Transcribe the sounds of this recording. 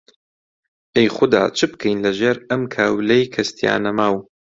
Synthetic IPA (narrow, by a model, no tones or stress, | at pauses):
ʔejχʊd̪a̰ːt͡ʃʰɨbkʰejnlɐʒeːɾɐmkʰaːwlejkʰɐst̪ja̰ːnɐmaːw